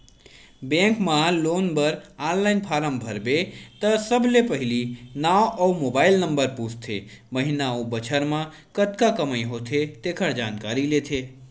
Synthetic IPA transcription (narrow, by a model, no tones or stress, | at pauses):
bẽŋkmãlonbəɾanlainpʰaɾəmbʱəɾbet̪əsəbʱlepəɦilinawəwmobailnəmbəɾpust̪ʰḛməɦinaũbət͡ʃʰəɾmã | kət̪kakəməjɦot̪ʰet̪ekʰəɾd͡ʒankaɾilet̪ʰe